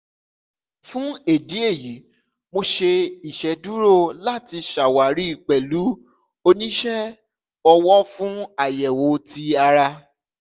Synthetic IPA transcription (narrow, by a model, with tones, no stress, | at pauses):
fũ˦e˨di˨˦e˦˨ji˨˦ | mo˧ʃe˧i˨ʃɛ˨˦du˦ɾo˦˨la˦ti˧ʃa˨wa˨ɾi˦i˦˨k͡pɛ˨lu˨˦ | o˧nĩ˦ʃɛ˦ | ɔ˧wɔ˦fũ˦a˦˨jɛ˨wo˨˦ti˧a˧ɾa˧